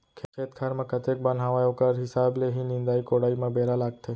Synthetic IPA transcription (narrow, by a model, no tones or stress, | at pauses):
kʰekʰeːt̪kʰaːɾmãkɐt̪ek̚bən̤ɦaːʋaːjokəɾɦɪsaːbleɦinɪ̃nd̪aːikoːɽaːimãbeːɾalaːɡt̪ʰeː